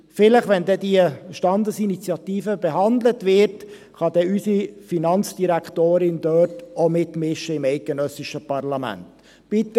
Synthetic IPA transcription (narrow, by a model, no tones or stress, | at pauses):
fɪləχʋɛndɛdiəʃtɑndəsinit͡sjɑt̪iːfəbɛɦɑndlətʋɪːt | χɑdɛysifinɑnt͡sd̥iɾæktoːɾɪnd̥œːtomɪtmɪʃəɪmɛɪt̚ɡ̥ənœsɪʃəpɑrlɑmæ̰nt | b̥ɪt̪ə